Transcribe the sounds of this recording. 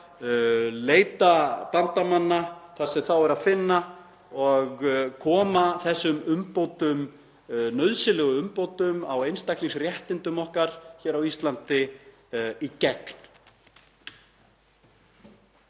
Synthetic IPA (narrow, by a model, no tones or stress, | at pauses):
leːjt̪at̪ant̪amanːaθasɛmθawɛɾaðfɪnːa | ɔɣkʰɔːmaθɛsːʏmʏmpowt̪ʏm | nœɥðsɪlɛɣʏʏmpowt̪ʏmawejnst̪akliŋsrjɛht̪ɪnt̪ʏmɔhkaɾ̥çɛːɾawist̪lant̪ɪ | icɛkn̥